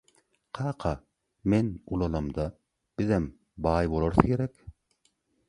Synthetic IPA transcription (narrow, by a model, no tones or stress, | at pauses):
qʰɑːqʰɑ | menulˠɑlɑmd̪ɑ | b̥iðem | bɑːjbolˠoɾθɯkʰeɾɛk